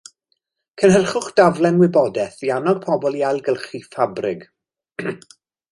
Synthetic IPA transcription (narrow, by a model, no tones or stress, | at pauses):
kʰənɦərχʊχd̥avlˠɛnwɪbɔdɛθianɔɡ̥̚pʰɔbɔlˠiajlˠɡəlˠχifabrɪɡ